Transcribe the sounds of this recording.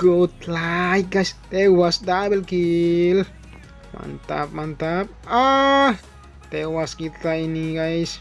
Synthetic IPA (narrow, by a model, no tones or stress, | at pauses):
kot̪lajkaʃt̪ewasd̪abelkil | ma̰nt̪a̰b̚mant̪ab̚ | a | t̪ewaskiajniɡajʃ